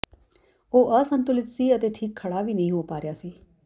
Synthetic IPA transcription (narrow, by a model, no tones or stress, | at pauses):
oːʔəsə̃nt̪ʊlɪt̪siːət̪eʈʰiːkʰːɐɽaːʋiːnɐɦĩɦoːpaːɾjaːsiː